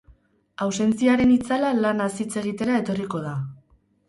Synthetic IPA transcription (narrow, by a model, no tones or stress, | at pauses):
awse̞nt͡siaɾe̞nit͡salalanasit͡se̞ɣ̞it̪e̞ɾae̞t̪o̞riko̞ð̞a